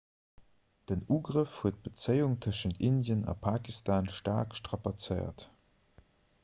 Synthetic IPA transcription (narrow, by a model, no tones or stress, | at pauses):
d̥ənuːɡʁəfhuət̚b̥ət͡səɪuŋtʰəʃəntindjənɑ̰pʰaːkistʰaːnʃta̰ːkʃtʁɑpat͡səɪɐ̰t